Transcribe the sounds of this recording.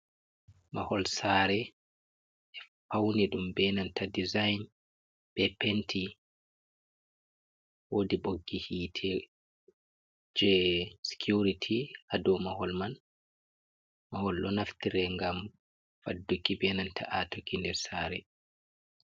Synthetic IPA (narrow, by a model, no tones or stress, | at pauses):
mahɔlsaːɾɛ | ʔɛ | fawniɗumbɛnantʰadizajn | bɛpentʰi | wodiɓoɡːihiːtʰɛ | d͡ʒɛsi̥kʰjuɾitʰiʔadɔmahɔlman | mahɔlɗɔnaftiɾɛŋɡam | fadːukːibɛnantʰa̰ʔatokʰːindɛɾsaːɾɛ